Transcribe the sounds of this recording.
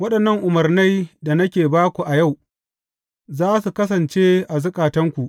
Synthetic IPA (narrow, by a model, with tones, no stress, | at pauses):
wɐ˦ɗɐ˨nːɐ˦ŋʔʊ˨mɐ˨rna˦jda˨nɐ˦kʲeː˨baː˦kʷu˨ʔa˨ja˦˨w | zaː˦su˨kɐ˦s̬ɐ˨nt͡ʃeː˦ʔa˨zʊ˦kʼaː˨tɐ˦ŋkʷu˨ʔ